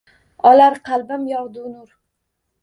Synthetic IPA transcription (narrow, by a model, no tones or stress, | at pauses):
ɒlaɾqʰɑlˠbamjɒʁd̪ʊnʊɾ